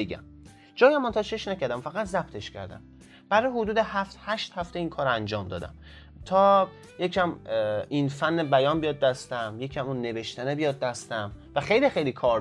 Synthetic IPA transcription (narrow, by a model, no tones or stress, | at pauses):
eɡæ̰m | d͡ʒɒːjæmːont̪ʰɒːt͡ʃʰeʃnæcæɾd̪æmfæɣæt̪ʰzæb̚t̪ʰe̞ʃcʰæ̰ɾd̪æ̰m | b̥æɾɒːjhod̪uːd̪ehæft̪hæʃt̪hæft̪e̞iːnkʰɒːɾænd͡ʒɒːmd̪ɒ̰ːd̪æ̰m | t̪ʰɒː | jecʰæminfænːebæjɒːnbijɒːd̪̚d̪æst̪æmjecʰæmunːeve̞ʃt̪ænebijɒːd̪̚d̪æst̪æmvæxejlixejlikʰɒːɾ